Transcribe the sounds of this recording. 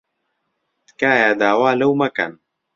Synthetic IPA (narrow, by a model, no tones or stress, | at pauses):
t̪kaːjaːd̪aːwaːlɐwmɐkɐ̰n